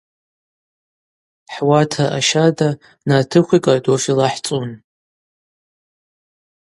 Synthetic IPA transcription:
ħwatʰaʔaʃada | natʰɨχʷikʼadofilaħt͡sʼun

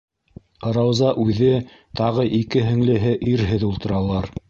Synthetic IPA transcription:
ɾɑwzɑʔʉðɘ | t̪ɑʁɤʔikɘɦɘ̆ŋlɘ̆ɦɘʔiɾɦɘðulˠt̪ɤ̆ɾɑlˠɑɾ

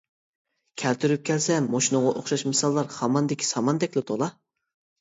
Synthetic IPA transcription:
kʲʰɛlt̪ʰyɾyp̚kʲʰɛlsɛmoʃinʊʁɑʔoχʃɑʃmɨsɑlˠːɑɾhɑmɑnd̪ɪkʲʰi̥sɑmɑnd̪ɛkʲlɪt̪ʰolˠɑ

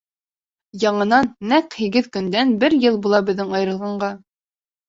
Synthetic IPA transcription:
jɑɴɤ̆nɑnːæqhiɡɘðkɵ̆nd̪ænbɘɾjɤlˠbulˠɑbɘ̆ðːɘŋɑjɤɾɤ̆lˠʁɑɴɢɑ

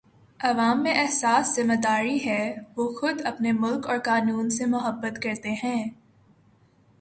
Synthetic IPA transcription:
ɐʋaːmːẽʔɛɦsaːszɪmad̪aːɾiɦɛʋoːxʊd̪ɐpnemʊlkɔːɾkaːnuːnsemʊɦəbːət̪kɐɾt̪eɦɛ̃ː

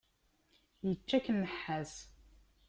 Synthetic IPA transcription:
jət͡ʃːækːənːəħːæs

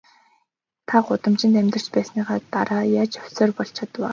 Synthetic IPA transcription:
t̪ʰaɢʊt̪ə̆mt͡ɕɪ̆nt̪æmʲt̪ə̆r̥t͡ɕpæːsniːʁaːt̪aɾaːjaːt͡ɕɵw̥ʲseːrpɔɬt͡ɕʰat̪waː

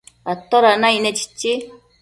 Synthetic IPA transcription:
at̪ːɔɾanainet͡ɕi̥t͡ɕːi

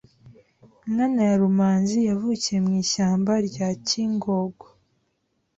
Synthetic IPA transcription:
ŋɡanajaɾumaːnzijavuːcie̞mŋiːʃaːmbaɾɟaciːŋɡoːɡwo

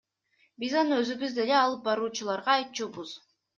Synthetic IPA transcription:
bizɑnɯøzyɡyzd̪e̞leɑlˠɯp̚bɑɾuːt͡ʃulˠɑɾʁɑːjt̪̚t͡ʃuːbuz̥

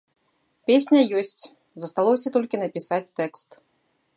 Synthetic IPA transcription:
pʲesʲnʲɐjɔsʲt͡sʲ | zɐst̪alˠɔsʲɐt̪ɔlʲkʲinɐpʲisat͡sʲt̪ɛkst̪

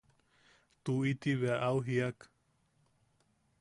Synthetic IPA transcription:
t̪uit̪iβeʔawɦiak

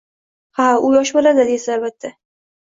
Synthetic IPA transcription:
haʊjɒʃbolad̪ɪd̪esɪalbat̪ʰːa

